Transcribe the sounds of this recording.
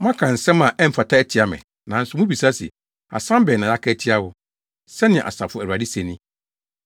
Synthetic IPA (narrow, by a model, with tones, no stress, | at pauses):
mã˦kʰã˨n̩˨sɛ̃˦mã˨ʔɛ˦m̩˨˦fa˨tʰa˦ɛ˨tʰi˨a˨mɛ̰̃˨ | nã˨n̩˦sʊ˨˦mʊ̃˦bi˨sa˦sḭ˨ | a̰˨sã˦m˦bɛ˨nã˨ja˦kʰɛ˦˨tʰɪ˦a˦hʊ˦ | sɛ˦nɪ̃˨ɛ̃˨ʔa̰˨sa˨fʊ˦æ˨wa˨di˦sɛ̃˨nĩ˦